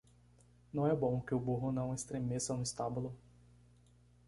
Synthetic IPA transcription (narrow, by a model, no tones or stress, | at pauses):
nɐ̃w̃ɛbõw̃kɪʊbuɦʊnɐ̃w̃est̪ɾemesɐnʊɪst̪abulʊ